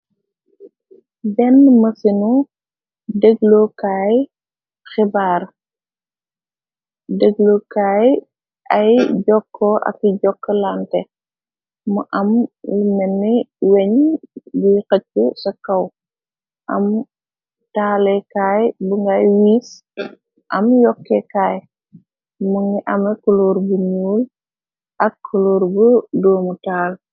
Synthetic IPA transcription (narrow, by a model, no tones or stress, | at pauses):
bɛnmɐsinu | dəɡlokaːj | xibaːr | dəɡlokaːj | ʔɐjɟɔkːɔʔɐ̰kːiɟɔkːəlantɛ | mɐʔɐmlmɛnːiwɛɲjujkɐt̚kusɐkːɐw | ʔɐm | taːlɛkaːjbuŋɡajwiːs | ʔɐmjɔkːɛkaːj | muŋiʔɐmɐkuloːɾbuɲuːl | ʔɐkʰːuloːɾbudɔːmutaːl